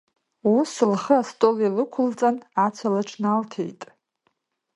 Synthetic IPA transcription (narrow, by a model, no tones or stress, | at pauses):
usɨlχəastʼolilɨkʷʰʊlt͡sʼanat͡sʷʰalaʈ͡ʂʷʰnaltʰḛjtʼ